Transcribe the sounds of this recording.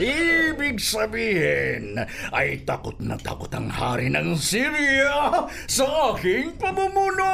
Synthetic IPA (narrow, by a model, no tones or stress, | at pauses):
ibiksabiɦɛenait̪akut̪na̰t̪a̰kut̪aŋhaɾinaŋsiɾia | sakiŋpəmumuno